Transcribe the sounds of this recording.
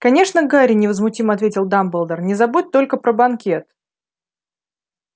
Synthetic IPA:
kɐnʲe̞ʂnəɡaɾʲɪnʲɪvəzmʊtʲiməɐt̪vʲetʲɪlˠd̪ambəlˠd̪ərnʲɪzɐbut̚ʲt̪o̞lʲkəpɾəbɐnkʲe̞t̪

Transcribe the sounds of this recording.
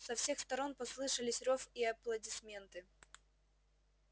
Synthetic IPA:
sɐfsʲe̞xst̪ɐɾo̞npɐslˠɨʂɨlʲɪsʲrofiɐplˠɐdʲɪsmʲe̞nt̪ɨ

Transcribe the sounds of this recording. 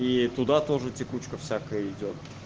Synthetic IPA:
it̪ʊd̪at̪oʐɨtʲɪkut͡ɕkəfsʲakəjəɪdʲo̞t̪̚

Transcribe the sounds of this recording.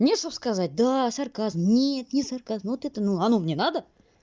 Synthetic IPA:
mnʲeʂopskazat̚ʲd̪asaɾkazmnʲet̪nʲɪsaɾkazmvot̪ɛt̪ənuanomnʲenad̪ə

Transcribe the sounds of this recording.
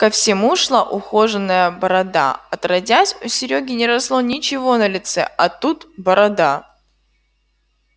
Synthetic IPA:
kəfsʲɪmuʂlˠaʔʊxo̞ʐɨnːəjəbɐɾɐd̪a̰ɐt̪rɐdʲasʲʊsʲɪɾʲoɡʲɪnʲɪɾɐslˠonʲɪt͡ɕɪvo̞nəlʲɪt̪sɛ̰ʔɐt̪ut̪bɐɾɐd̪a

